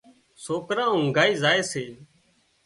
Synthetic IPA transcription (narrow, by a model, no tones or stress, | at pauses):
soːkɾãːɦʊ̃ŋɡaːiːzaːeːseː